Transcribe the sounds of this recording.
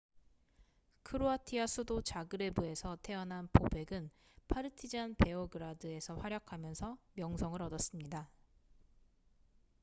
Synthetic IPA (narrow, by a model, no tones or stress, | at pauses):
kʰɯɾoatʰiasʰudot͡ɕaɡɯɾe̞bue̞sʰʌtʰe̞ʌnɦanpobe̞ɡɯn | pʰaɾɯtʰid͡ʑanpe̞oɡɯɾadɯe̞sʰʌɸwaɾjʌkʰamjʌnsʰʌmjʌŋsʰʌŋɯɾʌdʌs͈ɯmɲida